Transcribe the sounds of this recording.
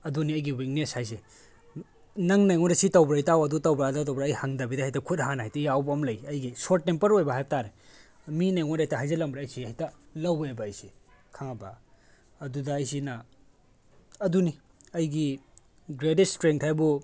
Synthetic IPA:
ɐduniɐjɡiwik̚neshajs̬e | nɐŋnajŋoɾɐsitɐwbɾɐjtawɐdutɐwbɾadat̬ɐwbɾːjhaŋdɐbidɐɦajtɐkʰutɦanhajtɐjawbɐmlɐjɐjɡisoɾtnempɐɾojbɐɦajb̚taɾe | minajŋoɾajtɐɦajzɐlɐmbɾeɐjsiɐjtɐlɐwebɐːjsi | kʰaŋɐbɐ̰ | ɐdudɐːjsinɐ | ɐduni | ɐjɡi | ɡɾedit̚stɾeŋtʰajbu

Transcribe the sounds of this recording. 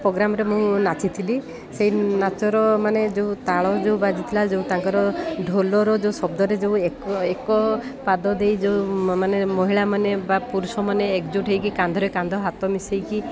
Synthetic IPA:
pɾoɡɾamɔɾemũnat͡ʃit̪ʰili | sejnat͡ʃɔɾɔmaned͡ʒeũt̪aɭɔd͡ʒeubad͡ʒit̪ʰilad͡ʒeut̪aŋkɔɾɔɖʱolɔɾɔd͡ʒeusɔb̚d̪ʱɔɾed͡ʒeuekɔekɔpad̪ɔd̪ejd͡ʒeumanemɔɦiɭamanebapuɾusɔmaneːkd͡ʒuʈʰejkikand̪ʱɔɾekand̪ʱɔɦat̪ɔmisejki

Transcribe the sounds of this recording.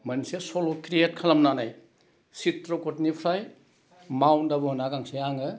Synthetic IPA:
mɐnsesolokɾiet̚kʰalɐmnanaj | sitɾokotnipʰɾaj | mawndabɔnaɡaŋseaŋɯ

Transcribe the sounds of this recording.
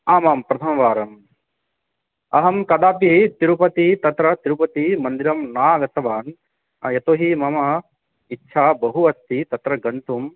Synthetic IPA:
aːmaːmpɾɐt̪ʰɐmɐʋaːɾɐm | ɐɦɐmkɐd̪aːpit̪iɾupɐt̪it̪ɐt̪ɾɐt̪iɾupɐt̪imɐnd̪iɾɐmnaːɡɐt̪ɐʋaːn | jɐt̪oːɦimɐmɐ | itːʃʰaːbɐɦuɐst̪it̪ɐt̪ɾɐɡɐnt̪um

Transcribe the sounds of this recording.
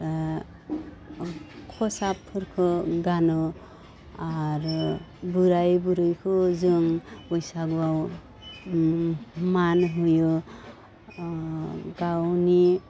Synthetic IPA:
kʰɔsapʰːɯɾkʰɯɡanɔ | aɾbuɾajbuɾɯjkʰɯzɯŋbɔjsaɡbaw | manɦujɯ | ɡawni

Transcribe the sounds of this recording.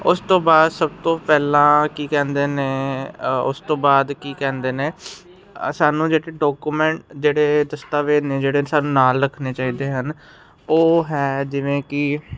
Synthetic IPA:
ʊst̪õːbaːd̪səb̚t̪õːpɛːlãːkiːkɛ̃ːnd̪eːneː | ʊ̰st̪õːbaːd̪kiːkɛ̃ːnd̪eːneː | saːnũːd͡ʒeːɽeːɖɔːkuːmɛ̃ːɳʈd͡ʒeːɽeːd̪əst̪aːʋeːneːd͡ʒeːɽeːsaːnũːnaːlɾəkʰneːt͡ʃaːiːd̪eːɦən | oːɦɛːd͡ʒɪʋẽːkɪ

